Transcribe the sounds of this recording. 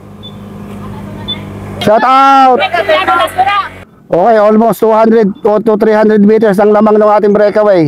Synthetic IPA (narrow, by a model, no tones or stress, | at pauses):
t͡ʃat̪awt̪ | ʔoːkɛjʔolmost̪uhand̪ɾɛd̪̚ot̪ut̪ɾihand̪ɾɛd̪̚miːt̪̬ɛɹsɐŋlamaŋnʊŋʔaːt̪ɪŋbɾɛkɐwɛj